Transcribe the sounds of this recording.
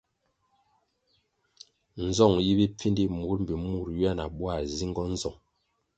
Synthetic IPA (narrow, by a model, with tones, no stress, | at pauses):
n̩˨zɔ˦˨ŋji˦bi˦p͡fi˦ndi˦mu˨˦ɾm̩˨bi˨mu˦˨ɾɥa˦˨na˨ɓwa˦˨zi˦ŋɡɔ˦n̩˦zɔ˨ŋ